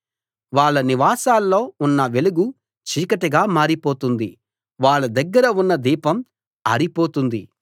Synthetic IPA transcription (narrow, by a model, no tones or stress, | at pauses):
ʋaːɭːɐniʋaːsaːlːo̞ːunːɐʋe̞luɡu | t͡ʃiːkɐʈɐɡaːmaːɾipo̞ːt̪und̪i | ʋaːɭːɐd̪ɐɡːɐɾɐunːɐd̪iːpɐm | ɐɾipo̞ːt̪und̪i